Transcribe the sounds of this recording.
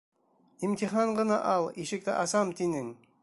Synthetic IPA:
imt̪iχɑɴɢɤ̆nɑʔɑlˠiʃɘk̚t̪ɘ̰ʔɑsɑmt̪inɘŋ

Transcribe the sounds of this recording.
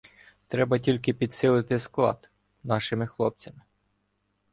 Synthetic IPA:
t̪ɾɛbɐtʲilʲk̬ɪpʲid̪sɪlˠɪt̪ɪsklˠɑ̰d̪ | nɑʃɪmɪxlˠɔp̚t͡sʲɐmɪ

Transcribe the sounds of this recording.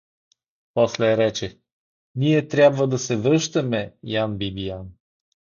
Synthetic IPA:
pɔslɛɾɛt͡ʃɛ | niɛt̪ɾʲjabvɐd̪ɐsɛvɾɤʃt̪ɐmɛjanbibijan

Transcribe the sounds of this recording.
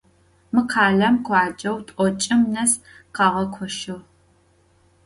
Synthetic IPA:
mɨqʰaːlɮɐmkʷʰɑːd͡ʒʼɐwtʷʼɔt͡ʃʼɪmnɐs | qɑːʁɐkʷʰɔʃɨʁ

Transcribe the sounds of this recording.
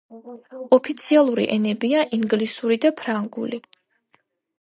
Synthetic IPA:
ɔpʰit̪sʰialˠuɾḭʔɛnɛbiaʔiŋɡlisuɾid̪apʰɾaŋɡṵli

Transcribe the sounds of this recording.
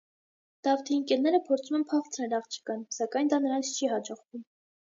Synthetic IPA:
d̪̥ɑvt̪ʰiːŋkɛlnɛɾəpʰɔɾt͡sʰumɛnpʰɑχt͡sʰɾɛlɑχt͡ʃʰi̥kɑnsɑkɑjnd̪ɑnəɾɑnt͡sʰt͡ʃʰiɦɑd͡ʒɔʁvum

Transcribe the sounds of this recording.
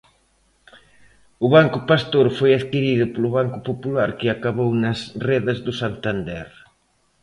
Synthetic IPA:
ʊβaŋkʊpast̪oɾfojaðkiɾiðʊpolʊβ̞aŋkʊpopulaɾkɪakaβownɐsreðɐzðʊsant̪and̪ɛɾ

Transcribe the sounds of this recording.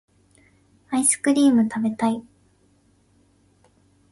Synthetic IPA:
aisɨ̥kɯ̟ɾʲiːmɯ̟t̪ʰabe̞t̪ai

